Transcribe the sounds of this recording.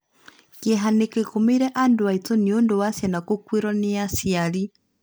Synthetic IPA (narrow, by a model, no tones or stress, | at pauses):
kɛɦanekekomeiɾɛʔandoaitoniondowasjanakokweɾɔneasiaɾi